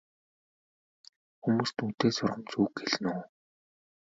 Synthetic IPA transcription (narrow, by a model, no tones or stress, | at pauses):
xumuːst̪un̥t̪eːsʊrʁə̆mt͡suːkxeɮnuː